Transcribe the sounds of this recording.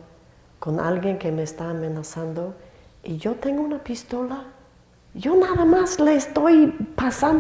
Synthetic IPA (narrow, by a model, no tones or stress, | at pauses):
kona̰lɣjeŋkemeːst̪aːmenasand̪o | iʝo̞t̪eŋɡounapist̪o̞la | ʝo̞naðamasleːst̪ojpasan